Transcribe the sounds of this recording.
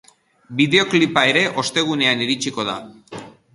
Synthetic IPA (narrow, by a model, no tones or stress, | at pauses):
biðe̞o̞klipae̞ɾe̞ʔo̞st̪e̞ɣ̞une̞aniɾit͡ʃiko̞ð̞a